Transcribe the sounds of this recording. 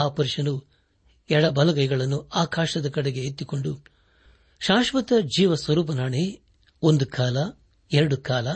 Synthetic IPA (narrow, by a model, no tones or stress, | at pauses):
aːpɐɾʂɐnu | ɛɽɐbɐlɐɡɐjɡɐɭɐnːuaːkaːʃɐd̪ɐkɐɽeɡeet̪ːiko̞ɳɖu | ʃaːʃʋɐt̪ɐd͡ʒiːʋɐsʋɐɾuːp̬ɐnaːɳe | ond̪ukaːlɐ | ɛɾɐɽukaːlɐ